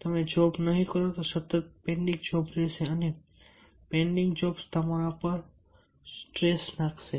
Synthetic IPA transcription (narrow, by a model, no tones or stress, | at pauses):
t̪ɐmẽd͡ʒɔːbnəɦĩkəɾot̪osɐt̪ət̪̚pẽːɳɖɪ̃ŋɡd͡ʒɔːbɾeseɐne | pẽːɳɖɪ̃ŋɡd͡ʒɔːbst̪ɐmaɾãpəɾ | sʈɾeːsnakse